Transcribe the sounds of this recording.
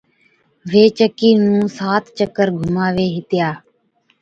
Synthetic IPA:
ʋeːt͡ʃəkiːnũːsaːt̪ʰt͡ʃəkːəɾɡʱʊmaːʋeːɦɪt̪ɪjaː

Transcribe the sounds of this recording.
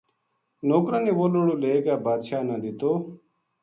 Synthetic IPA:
noːkɾãːneːʋoːloːɽoːleːɡaːbaːd̪ʃaːnaːd̪ɪt̪oː

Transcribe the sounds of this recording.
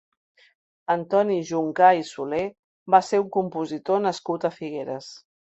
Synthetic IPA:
ənt̪ɔniʒuŋkaisule | baseuŋkumpuzit̪onəskut̪əfiɣ̞eɾəs

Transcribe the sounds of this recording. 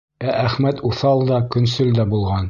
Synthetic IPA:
æʔæχmæt̪uθɑlˠd̪ɑkɵ̆nsɵld̪æbulˠʁɑn

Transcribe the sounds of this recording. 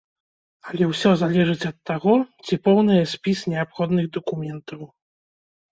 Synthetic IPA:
alʲɛwsʲɔzalʲɛʐɨt͡sʲɐt̪ːaɣɔt͡sʲipɔwnɨjɛsʲpʲisnʲɛapxɔd̪nɨɣd̪ɐkumʲɛnt̪ɐw

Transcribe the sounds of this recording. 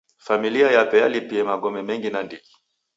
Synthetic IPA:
familiajapɛjalipiɛmaɡɔmɛmɛŋɡinandiki

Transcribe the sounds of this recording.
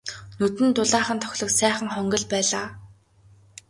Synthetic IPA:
nɵt̪ɘ̆nt̪ʊɮaːχə̆nt̪ʰɔ̥xʲɮɞ̆ksæːχə̆ŋχɔŋɡɞ̆ɮpæːɮaː

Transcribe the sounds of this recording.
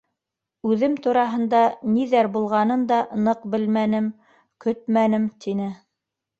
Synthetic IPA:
ʉðɘmt̪uɾɑɦɤ̆nd̪ɑniðæɾbulˠʁɑnɤnd̪ɑnɤqbɘlmænɘm | kɵt̪̚mænɘmt̪ʰinɘ

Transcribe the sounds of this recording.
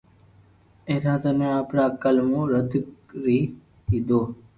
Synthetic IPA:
eːɾãːt̪ənẽaːpɽaːkəlmõːɾəd̪kɾiː | id̪oː

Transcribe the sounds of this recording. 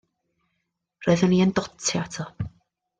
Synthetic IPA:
roːɨðəniəndɔtʰɛatʰɔ

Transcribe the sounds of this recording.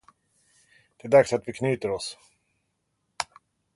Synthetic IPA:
d̪̥ɛæɖ̪d̪aksat̪vɪkʰny̟ːt̪əɾɔs

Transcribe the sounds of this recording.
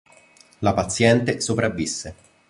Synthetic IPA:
lapat̪sːjɛnt̪esopɾavːisːe

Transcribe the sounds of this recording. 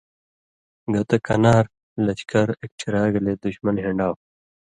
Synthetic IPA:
ɡɐt̪ɐkɐnaːɾ | lɐt͡ɕkɐɾek̚t͡ɕʰiɾaːɡɐleːd̪uɕmɐnɦiɳɖaːw

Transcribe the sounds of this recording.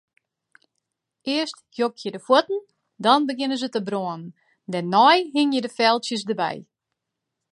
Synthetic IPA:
ʔɪəstjokjədəfwotn̩ | dɔnbəɡɪnənzətəbroənən̩ | dɛnːɔjɦɪŋjədəfɛlˠtsjəsdəbɛ̰j

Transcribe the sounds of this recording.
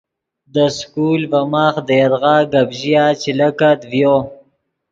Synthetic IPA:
d̪əskulvamaːχd̪əjaɾɣɑːɡabʒijat͡ʃilakad̪vjo

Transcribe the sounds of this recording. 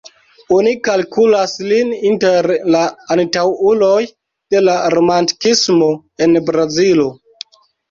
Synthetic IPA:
onikalkulaslininteɾlaːntawulo̞j | d̥e̞laɾo̞manti̥kismo̞ | e̞nbɾazilo

